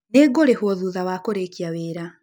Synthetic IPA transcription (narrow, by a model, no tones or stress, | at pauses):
neɡoɾehwɔðuðawakoɾekiaweːɾa